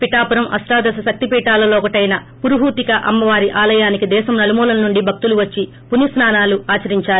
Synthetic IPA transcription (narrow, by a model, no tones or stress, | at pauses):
piʈaːpuɾɐmʔɐ̰sʈaːd̪ɐsɐʃɐk̚t̪ipiːʈaːlɐlɔːkɐʈɐjnɐ | puɾuɦuːt̪ikɐʔɐmːɐʋaːɾiʔaːlɐjaːnikid̪ɛːʃɐmnɐlumuːlɐnnuɳɖibʱɐk̚t̪uluʋɐt͡ʃːi | punisnaːnaːluaːt͡ʃɐɾiɲt͡ʃaːɾu